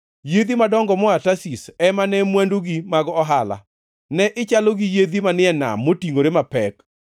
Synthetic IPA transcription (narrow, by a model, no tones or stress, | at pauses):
jed̪imadɔŋɡɔmɔatasisɛmanɛmwandoɡimaɡɔɦala̰ | nɛʔɪt͡ʃaloɡijed̪imanɪɛna̰mːotiŋoɾemapɛk